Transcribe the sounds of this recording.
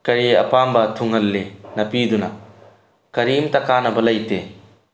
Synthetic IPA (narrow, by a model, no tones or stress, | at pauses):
kɐɾiɐ̰pambɐtʰuŋɦɐlːenɐpidunɐ | kɐɾimtɐkanɐbɐlɐjte